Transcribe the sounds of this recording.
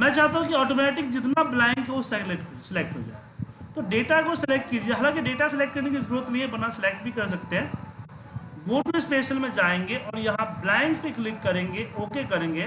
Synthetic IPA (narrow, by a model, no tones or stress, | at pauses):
mɛ̃ːt͡ʃaːt̪aɦũkiɔːʈoːmɛːʈɪkd͡ʒɪt̪nablaːɪ̃ŋkɦɛosekleʈsɪlek̚ʈɦo̰d͡ʒa̰ːet̪oɖeːʈakosɪlek̚ʈ̚kid͡ʒieɦɐlãːkiɖeːʈasɪlekʈkɐɾnekizɐɾuːɾət̪mĩjebɐnasɪlek̚ʈ̚bʱikɐɾs̬ɐk̚t̪eɦɛ̃ː | ɡoːʈuɪspeːsəlmẽd͡ʒaːẽːŋɡeʔɔːɾjɐɦãblãːɪ̃ŋk̚peklɪkːɐɾẽːŋɡeʔoːkekɐɾẽːŋɡeː